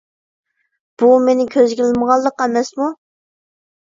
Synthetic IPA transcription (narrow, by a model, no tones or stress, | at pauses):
b̥umenɪkʲʰøzɡʲilɪməʁɑlˠdˠəqɛmɛsmu